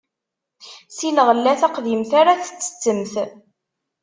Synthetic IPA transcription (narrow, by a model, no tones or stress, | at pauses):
siləʁlːæθæqðimθaɾaθə̥t͡sːə̥t͡sːəmθ